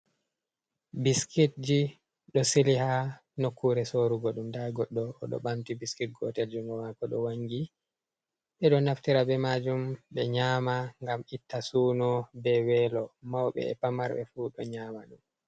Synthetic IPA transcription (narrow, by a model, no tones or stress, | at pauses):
biskit̚d͡ʒi | ɗɔsilihanokʰːuɾɛsoɾuɡɔɗumdaɡɔɗːɔ̰ːɗɔ̰ɓamtibiskit̚ɡɔ̰tɛld͡ʒuŋɡɔmakɔɗɔwaŋɡi | ɓɛɗɔnaftiɾabɛmad͡ʒumɓɛɲaːmaŋɡamitːasuːnɔbɛwɛlɔmawɓɛ̰ɛ̰pamaɾɓɛ̰fuɗɔɲaːmaɗum